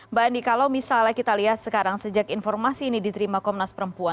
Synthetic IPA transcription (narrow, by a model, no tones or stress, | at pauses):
banikalawmisalakit̪aliɦat̪̚səkaɾaŋsəd͡ʒakinfɔrmasiːnidit̪əɾimakɔmnaspəɾəmpua